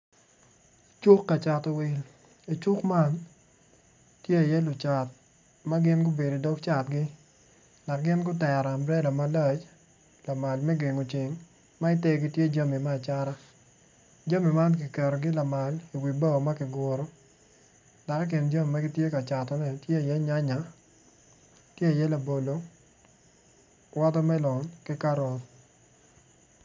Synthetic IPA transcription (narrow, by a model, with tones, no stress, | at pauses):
t͡ʃʊ˦kːa˨t͡ʃa˨tɔ˨wɪ˨l | i˨t͡ʃʊ˦kma˦n | tje˦˨jɛ˦lʊ˨t͡ʃa˨t̚ | ma˦ɡɪ˦nɡʊ˦be˨do˨dɔ˦kt͡ʃa˨tɡɪ˦ | da˨k̚ɡɪ˦nɡʊ˦tɛ˨ɾa˨mbɾɛ˦la˨ma˦lɛ˦t͡ʃ | la˨ma˨lmɛ˦ɡe˨ŋo˨t͡ʃɪ˨ŋ | ma˦ɪ˦te˦ɡi˦tje˦d͡ʒa˦mi˨maː˦˨t͡ʃa˦ɾa˦ | d͡ʒa˦mi˨ma˦nkɪ˨kɛ˨ɾo˨ɡɪ˦la˨ma˨li˨wi˨ba˦o˨ma˦kɪ˨ɡo˨ɾo˨˦ | da˨kɔ˦k̬ɪ˨nd͡ʒa˦mi˨ma˦ɡɪ˦tje˦ka˨t͡ʃa˨tɔ˨nɛ˦tje˦a˨jɛ˦ɲa˦ɲa˨ | tje˦a˨jɛ˦la˨bo˨lo˨ | wa˦tɔ˦mɛ˦lɔ˨nkɪ˦ka˦ɾɔ˨t